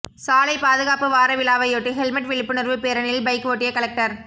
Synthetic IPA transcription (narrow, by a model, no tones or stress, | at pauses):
saːlɐɪpaːðɯɣaːpɯʋaːɾɐʋɪlaːʋɐɪjoʈːɯɦɛlmɐʈʋɪɭɪpːɯnɪɾʋɯpeːɾɐnɪlbɐɪkːɯʋoːʈːɪjɐkɐlɐk̚ʈɐɾ